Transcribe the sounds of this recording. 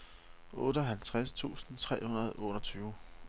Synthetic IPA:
ʔɔ̽ːɾ̥ɒɦælt͡sʰʁast͡sʰṵːsn̩t͡sʰʁɛ̰ːhunɐð̞ˠʔɔ̽ːɾɒ̽t͡sʰyːʊ

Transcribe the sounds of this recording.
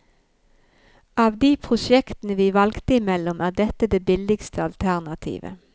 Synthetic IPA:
ʔɑːʋd̪iːpʰʁʊʃɛkt̪n̩əʋiːʋɑlɡt̪əɪmɛlɔmʔæːʁd̪ɛt̪əd̪eːbɪlɪɡst̪ʰəɑlt̪ʰæʁnɑt̪ʰḭːʋə̰

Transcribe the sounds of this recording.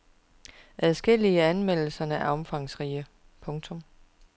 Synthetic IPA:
ʔæðˠsɡ̥el̰iəænmel̰l̩sɐnəæɐɒ̽mfɑ̈ŋsʁiːə | pʰɔ̽ŋt͡sʰɔ̽m

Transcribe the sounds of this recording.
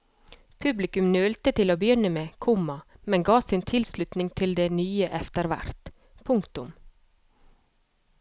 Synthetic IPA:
pʰʉblɪkʉmnøːlt̪ət̪ɪloːbəjʏnəmeːkʰʊmɑmɛnɡɑːsɪːnt̪ʰɪlslʉt̪nɪŋt̪ʰɪld̪eːnyːəʔɛft̪əɾʋæ̰ɾt̪ | pʰʊŋkt̪ʊm

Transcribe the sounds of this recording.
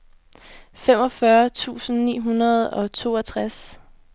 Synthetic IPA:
fem̰ɒ̽fɶɐt͡sʰṵːsn̩nḭːɦunɐð̞̩ˠɒ̽t͡sʰo̝̰ːɐt͡sʰʁas

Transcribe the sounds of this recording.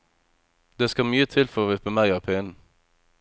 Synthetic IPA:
d̪eːskɑmyːət̪ʰɪlfɔoːʋɪpʰoːmæɪɑpʰɛn

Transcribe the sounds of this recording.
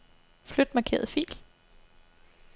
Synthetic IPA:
flød̥mɑ̈kʰe̝̰ːɐðˠfḭːl

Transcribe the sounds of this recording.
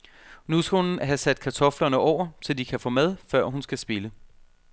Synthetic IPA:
nusɡ̥æhunɦæsæd̥̚kʰɑ̈t͡sʰɒ̽flɐnəʔɒʊ̰ɐsɒd̥ikʰæfɔ̰̽ːmeð̞ˠfɶɐ̰ɦunsɡ̥æsb̥elə

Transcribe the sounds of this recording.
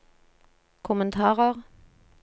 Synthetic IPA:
kʰʊmənt̪ʰɑːʁəʁ

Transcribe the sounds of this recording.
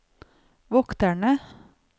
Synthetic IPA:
ʋɔkt̪æɳə

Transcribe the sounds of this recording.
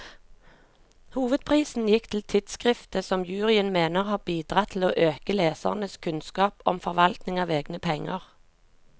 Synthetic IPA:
huːʋəd̪̚pʰʁiːsn̩jɪkt̪ʰl̩t̪ʰɪd̪̥skʁɪft̪əsɔmjʉːʁɪənmeːnəʁhɑːbiːd̪̥ʁɑt̪ʰl̩oːʔøːkəleːsæ̰ʁnəskʰʉnskɑːpɔmfɔʁʋɑlt̪nɪŋɑːʋeːɡnəpʰɛŋə̰ʁ

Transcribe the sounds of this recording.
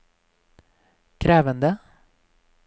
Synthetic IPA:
kʰɾɛːʋənd̪ə

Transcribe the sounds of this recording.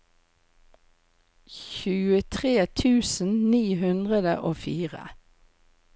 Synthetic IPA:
çʉːət̪ʰʁeːt̪ʰʉːsn̩niːɦʉnd̪ʁəd̪əʔoːfiːʁə̰

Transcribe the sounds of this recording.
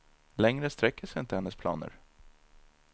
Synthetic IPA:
lɛŋɾəst̪ɾɛkːəʂɪnt̪əhɛnːəspʰlɑ̰ːnə̰ɾ

